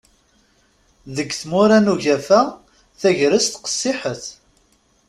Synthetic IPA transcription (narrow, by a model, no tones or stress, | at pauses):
ðəɡθmʊɾænuʝæfæ | θæʝɾəst̪qə̥sːɪħəθ